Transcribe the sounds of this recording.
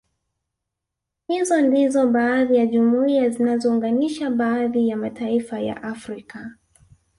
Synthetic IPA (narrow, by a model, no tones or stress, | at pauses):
hizɔndizɔɓaːðijaʄumuiazinazɔuŋɡaniʃaɓaːðijamataifaja̰ʔafɾika